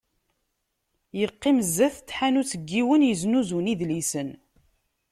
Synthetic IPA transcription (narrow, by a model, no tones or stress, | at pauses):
jəqːiməzːæθt͡sːħanut͡sːəɡːiwənjəznuzuniðlisən